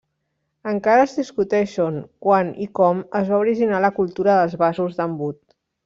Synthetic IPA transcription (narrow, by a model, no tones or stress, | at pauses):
əŋkaɾəzðiskut̪ɛʃoŋkwanḭkɔməzβauɾiʒinaləkulˠt̪uɾəðəlˠzβazuzðəmbut̪